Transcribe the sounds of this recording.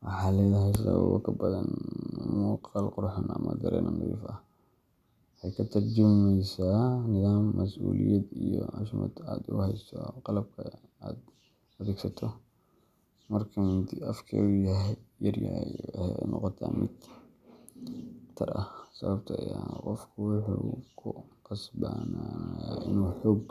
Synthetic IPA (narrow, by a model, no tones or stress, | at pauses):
wɑħɑːlɛːðɐɦɛjsɐβɐbɔ̰kʰɐbɐðɐnmɔqɑlqʊrħanɐmɐd̪ɐɾɛ̰ːnʔɐnɪɾḭːfɐ | ħɛjkʰɐt̪ʰɐrd͡ʒɪmɛjsaːnɪðaːmːɐsʔuːlijɛd̪ijɔaʃmɔ̰d̪aːd̪ʊhɛjst̪ʰɔqɑlɐb̚kʰɐ | aːd̪ | ɐðɛːɡsɐt̪ʰɔ | mɐrkʰɐmʊnt̪ʰiʔɐfkʰɛ̰ːujɐɦjjɐrjɐjhɛnʔɔqɔt̪ʰaːmɪ̰d̪ | t̪ʰɐɾʔɐhsɐβɐbt̪ʰɐɐjaqɔfkʰʊwʊħuːkʰʊqɑsbaːnaʔɪnwħɔːɡ̚